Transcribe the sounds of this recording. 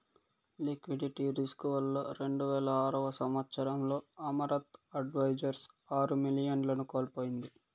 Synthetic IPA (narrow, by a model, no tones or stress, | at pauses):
likʋiɖiʈiɾiskuʋɐlːo̰ːɾe̞ɳɖuʋɛːlɐaːɾɐʋɐsɐmɐt̪sɐɾɐmlo̞ːɐmɐɾɐt̪ɐɖʋɐjd͡ʒɐɾs | aːɾumilijɐnlɐnukoːlpoːjind̪i